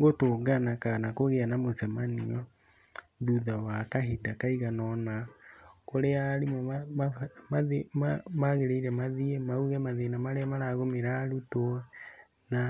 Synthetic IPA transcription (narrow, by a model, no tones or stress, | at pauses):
ɣotoɡanakanakoɣeanamosɛmaniɔ | ðuðawakaɦidakaiɣanɔnakoɾeaɾim | maemamaɣeɾeiɾɛmaðiemauɣɛmaðenamaɾeamaɾaɣomeɾaːɾutɔ | na